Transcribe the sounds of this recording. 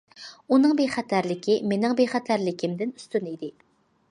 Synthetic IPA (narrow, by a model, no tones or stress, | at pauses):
unɨŋbejχæt̪ʰæɾlɪkʲʰimenɪŋbejχæt̪ʰæɾlɪkʲʰɪmd̪ɪnyst̪ynid̪ɪ